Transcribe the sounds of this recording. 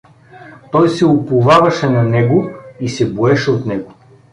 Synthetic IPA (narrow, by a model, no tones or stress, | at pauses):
t̪ɔjsɛopʊvavɐʃɛnɐnɛɡoisɛboɛʃɛot̪nɛɡo